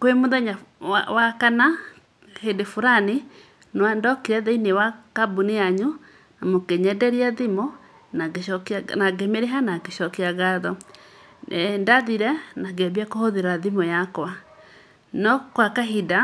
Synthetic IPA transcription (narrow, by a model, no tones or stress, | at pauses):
kwemoðaɲaawakana | hedefoɾane | nwandɔkiɾɛðainewakabuneaɲu | namokeɲɛdɛɾiaðimɔ | naeɔknaɡemeɾeɦanakeʃɔkeaɣaðɔ | ndaðiɾɛnaɡeabiakohoðeɾaðimɔjakwa | nɔkwakaɦida